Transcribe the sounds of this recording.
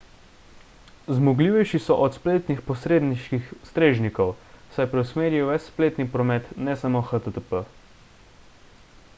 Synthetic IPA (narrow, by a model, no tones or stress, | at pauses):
zmɔɡliːʋɛjʃisɔʔɔt̪spleːt̪nixpɔsɾeːd̪niʃkixst̪ɾeːʒnikɔwsajpɾɛwsmeːɾjɛwʋɛsspleːt̪nipɾɔmɛt̪nɛsamoxat̪ət̪əpə